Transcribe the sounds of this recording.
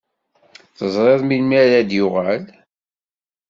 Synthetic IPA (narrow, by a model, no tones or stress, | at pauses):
θəzˤɾˤeðˤmilmiɾæd̪jʊʁæl